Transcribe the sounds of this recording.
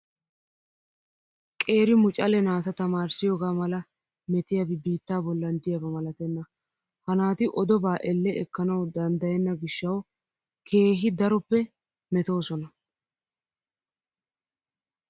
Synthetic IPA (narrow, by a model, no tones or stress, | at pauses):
kʼe̞ːɾɪmʊt͡ʃʼɐlɛnaːsɐt̪ɐmaːɾsɪjoːɡaːmɐlɐ | mɛt̪ɪjɐbɪbiːt̪ːaːbɔlːɐnd̪ɪjɐbɐmɐlɐt̪ɛnːɐ | hɐnaːt̪ɪʔɔd̪ɔbaːʔɛlːɛʔɛkːɐnɐwd̪ɐnd̪ɐjɛnːɐɡɪʃːɐw | kʰe̞ːɦɪd̪ɐɾɔpːɛ | mɛt̪o̞ːsɔnɐ